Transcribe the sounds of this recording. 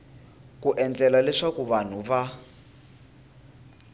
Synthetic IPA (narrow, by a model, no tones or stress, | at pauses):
kuʔɛnd͡ɮɛlalɛʂakuβan̤uβa